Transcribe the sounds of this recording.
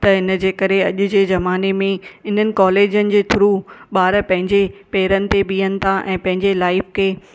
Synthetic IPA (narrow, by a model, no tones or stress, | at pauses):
t̪ɐɪnə̆d͡ʑeːkɐɾeɐʄʊd͡ʑeːzɐmaːnemẽɪn̤ənɪ̆kɔːleːd͡ʑənɪ̆d͡ʑeːt̪ʰʊɾuɓaːɾəpɐ̃ɦɪ̃ɲd͡ʑepeːɾənɪ̆t̪eɓiːənɪ̆t̪ʰaʔɛ̰̃ːpɐ̃ɦɪ̃ɲd͡ʑelaːɪfkʰeː